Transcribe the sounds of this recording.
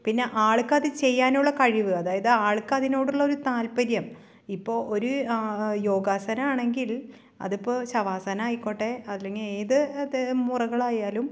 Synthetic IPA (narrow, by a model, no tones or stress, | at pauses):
pinːe̞ʔaːɭkːɐðɨt͡ɕe̞jːaːnuɭːɐkɐɻiʋɨɐðaːjɐðɨaːɭkːɐðino̞ːɽuɭːɐo̞ɾut̪aːlpɐɾjɐm | ipːo̞ːʔoɾujo̞ːɡaːsɐnɐaːɳe̞ŋɡil | ɐ̰ðupːoːɕɐʋaːsɐnaːikːo̞ːʈːeɐðileŋɡileːðɨmurɐɣɐɭaːjaːlum